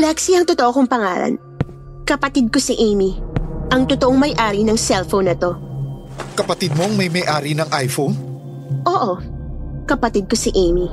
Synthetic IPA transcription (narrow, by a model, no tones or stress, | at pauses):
laksiɐŋt̪ot̪oʔokʊŋpɐŋa̰ːlɐ̰n | kɐpɐt̪id̪̚kosiʔejmiʔɐŋt̪ʊt̪oʔoŋmɐjʔaːɾinɐŋsɛlfownɐt̪o̞ | kɐpɐt̪id̪̚moŋmɐjmɐjʔaːɾinɐŋʔajfon | ʔo̞ːʔokɐpɐt̪id̪̚kosiʔejmi